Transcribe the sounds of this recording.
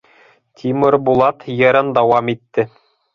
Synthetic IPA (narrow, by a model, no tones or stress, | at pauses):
t̪ʲʰimɤɾbulˠɑt̪jɤ̆ɾɤnd̪ɑwɑmit̪ːɘ